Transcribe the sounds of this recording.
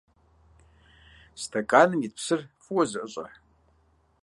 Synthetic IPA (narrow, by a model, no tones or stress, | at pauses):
stʰɐkʼaːnɨmit̚psɨrfuwɐzɨʔəɕʼɐ̰ħ